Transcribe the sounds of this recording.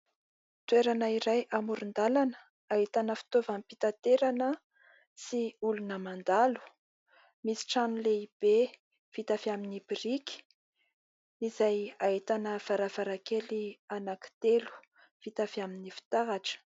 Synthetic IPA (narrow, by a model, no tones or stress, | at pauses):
t̪ueɾanəiɾajʔamuɾund̪alanə̥ | aɦit̪anəfi̥t̪ovampit̪at̪eɾanə | siulunəmand̪alu̥ | misi̥ʈ͡ʂanuleib̥e | v̥it̪afiaminibiɾiki̥ | izajaɦit̪anəv̥aɾav̥aɾakelianaki̥t̪elu̥ | v̥it̪afaminifi̥t̪aɦaʈ͡ʂə̥